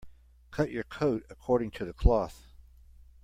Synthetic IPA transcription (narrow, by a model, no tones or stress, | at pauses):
kʰʌt͡ʃə˞kʰoʊɾɨkʰɔɹɾɪ̃ŋtʰɨðɨkʰl̥ɔθ